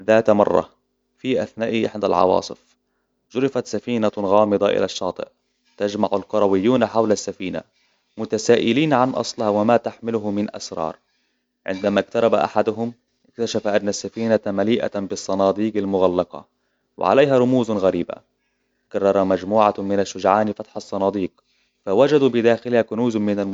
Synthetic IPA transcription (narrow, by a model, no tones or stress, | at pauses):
ðaːt̪mɑ̰rˤːɑ̰ | fiʔaθnaːʔiʔɪħd̪a̰lʕɑ̰wɑ̰ːsˤɨf | ʒʊɾɪfat̪safiːnaɣɑːmɪd̪ˤɑʔɪ̰laʃːɑːt̪ˤɨ̰ʔ | t̪ad͡ʒmaʕʊlqʊɾˤɑwɪjːuːnħawlasːafiːna̰ | mʊt̪asaːʔɪliːnʕanʔɑ̰sˤlɪhawɪmaːt̪aħmɪlʊɦʊmɪnʔa̰sɾˤɑ̰ːɾˤ | ʕɪ̰nd̪amak̚t̪ɑɾˤɑbaʔa̰ħad̪ʊɦʊm | ɪkt̪aʃafaʔanːasːafiːnamaliːʔa̰bɨsˤːɑnɑːd̪ˤiːqalmʊɣalːɑqɑ̰ | wɪ̰ʕa̰lajɦaɾˤʊmuːzɣaɾiːba̰ | kɑrˤːɑɾˤɑmad͡ʒmuːʕamɪnaʃːʊd͡ʒʕaːnɪfat̪ħɑsˤːɑnɑːd̪ˤiːq | fawad͡ʒad̪uːbɪd̪aːxɪlhakʊnuːzmɪnal